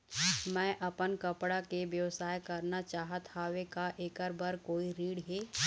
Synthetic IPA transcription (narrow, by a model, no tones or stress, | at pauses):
mɛ̃ːʔɐpənkɐpɽakeʋjəʋsaːjkɐɾnat͡ʃaːɦət̪ʰaːɦʋekaʔeːkəɾbəɾkoːiɾiːɽɦeː